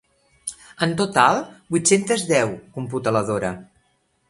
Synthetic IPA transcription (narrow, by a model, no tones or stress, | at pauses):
ənt̪ot̪alˠbuit̪sent̪əzðɛwkumput̪ələðoɾə